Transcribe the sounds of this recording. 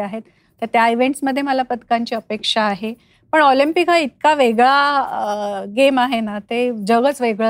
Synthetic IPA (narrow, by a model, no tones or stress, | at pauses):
aɦet̪ː | əɾt̪jaiʋeɳʈsməd̪ʱːjeməlapət̪kaɲt͡ɕiːəpekʂaːɦe | pəɳɔlimpikait̪̚kaʋeɡɭa | ɡemaɦenat̪ed͡ʑəɡət͡sʋeɡɭə